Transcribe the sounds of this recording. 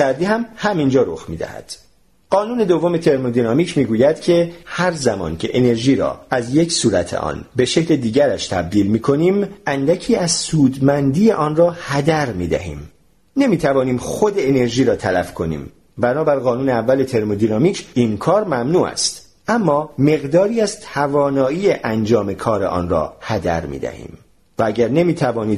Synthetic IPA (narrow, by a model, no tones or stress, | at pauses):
sæɾd̪iːhæmhæmind͡ʒɒːɾo̞̰xmḭːd̪æ̰hæ̰d̪̥ | ɢ̥ɒːnuːne̞d̪ovːo̞me̞t̪ʰe̞ɾmod̪inɒːmiːcʰmiːɡuːjæd̪cʰe̞hæɾzæmɒ̰ːncʰe̞ʔene̞ɾʒiːɾɒ̰ːæzje̞cʰsuːɾæt̪ʰḛʔɒ̰nbe̞ʃe̞cʰled̪iːɟæɾæʃt̪ʰæ̰b̚d̪iːlmiːkʰo̞niːmʔænd̪æcʰiːæzsuːd̪mænd̪iːjeʔɒːnrɒːhæd̪æɾmḭːd̪æ̰hḭːm | nemiːt̪ʰævɒːniːmxo̞d̪eːne̞ɾʒiːɾɒːt̪ʰælæfkʰo̞nḭːm | bænɒːbæɾɣɒːnuːneævːælet̪ʰe̞ɾmo̞d̪inɒmiːcʰinkʰɒːɾmæmnuːʔæ̰st̪ | ʔæmːɒːme̞ɣd̪ɒːɾiːæzt̪ʰævɒːnɒːiːeʔænd͡ʒɒːme̞kʰɒːɾḛʔɒ̰ːnrɒ̰ːhæd̪æ̰ɾmḭːd̪æ̰hḭːm | vææɟæɾne̞miːt̪ʰævɒːniːd̪